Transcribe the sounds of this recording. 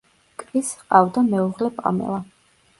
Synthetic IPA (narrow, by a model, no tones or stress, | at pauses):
kʼvisqʼavd̪amɛuʁlɛpʼa̰mɛ̰lˠa